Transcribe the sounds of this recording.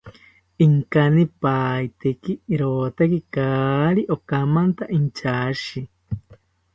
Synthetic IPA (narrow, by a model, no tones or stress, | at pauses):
iŋkanipaːit̪ekiɾoːt̪akikaːɾiʔokamant̪aʔint͡ʃaʃi